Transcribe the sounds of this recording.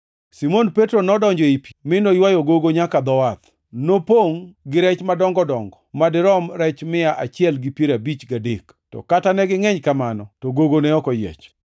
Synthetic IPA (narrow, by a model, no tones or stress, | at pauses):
simonpetɾonɔdɔɲd͡ʒɔipimɪnojwajoɡoɡoɲakad̪ɔwat̪ | nopoŋɡɪɾɛt͡ʃmadɔŋɡɔdɔŋɡɔmadɪɾɔmɾɛt͡ʃmɪaʔat͡ʃɪɛlɡɪpjeɾabit͡ʃɡadek | tɔ̰katanɛɡɪŋɛɲkamanɔtɔɡoɡonɛɔkɔjɛ̰t͡ʃ